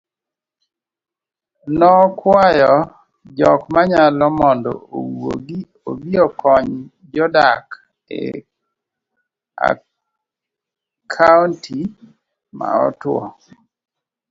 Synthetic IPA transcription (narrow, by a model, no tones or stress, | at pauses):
nɔkwajɔ | d͡ʒɔkmaɲalɔmɔndɔ̰owo̰ɡi | o̰biɔkɔɲ | d͡ʒɔdak | ḛ | a̰ | kʰauntʰi | ma̰ɔ̰twɔ̰